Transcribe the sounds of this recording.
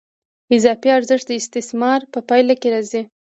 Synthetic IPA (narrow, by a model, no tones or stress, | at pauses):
ɪzɑfiaɾzɪʂt̪̚d̪əɪst̪ɪsmɑɾpəpɑjlakeɾɑzi